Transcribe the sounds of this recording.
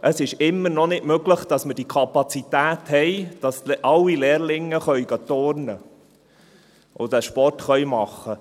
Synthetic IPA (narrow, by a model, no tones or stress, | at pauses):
ʔəsɪʃɪmːənɔnɪtmøɡləχd̥ɑsməɾd̥ikʰɑpɑt͡sit̪æːthɛjd̥ɑsʔɑlːileːɾlɪŋːəχœʏɡɑtoːɾnə | ʔodɛʃpɔrtχœjmɑχːə